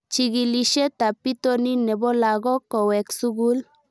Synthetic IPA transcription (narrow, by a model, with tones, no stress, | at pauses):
t͡ʃi˨ɡi˨li˨ʃe˦t̪a˨pi˦t̪o˦ni˦nɛ˨bo˦la˨ɡɔ˦kɔ˨wɛ˨ksu˦ɡu˦l